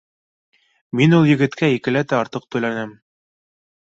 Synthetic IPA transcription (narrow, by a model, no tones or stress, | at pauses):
minulˠjɘ̆ɡɘ̆t̪kæikɘ̆læt̪æɑɾt̪ɤq̚t̪ɵ̆jlænæm